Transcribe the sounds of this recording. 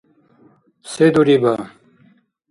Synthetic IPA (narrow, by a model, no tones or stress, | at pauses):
sed̪uɾiba